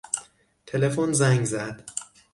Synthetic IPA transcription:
t̪ʰe̞lefonzæŋɡzæd̪̥

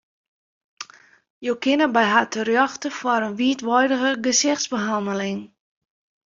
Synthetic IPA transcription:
joːkɪnəbɛjɦatʰərjɔxtəfwaɾənʋiətʋɔjdəɣəɡəsɪxtsbəɦandəlɪŋ

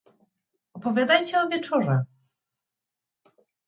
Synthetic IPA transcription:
ɔpɔvʲjad̪ajt͡ɕɛɔvʲjɛt͡ʂɔʐɛ

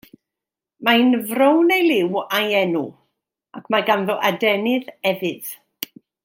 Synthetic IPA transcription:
maɨnvrownejlɪwajɛnu | akʰmaɡanðɔʔadɛnɪðɛvɨð

